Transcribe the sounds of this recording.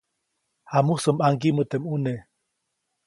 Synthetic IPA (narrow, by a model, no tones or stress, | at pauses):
hamusəmaŋɡimət̪emune